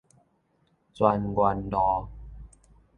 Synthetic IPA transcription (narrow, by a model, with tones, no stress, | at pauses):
t͡swa˧nɡwa˧ndɔ˨˧˦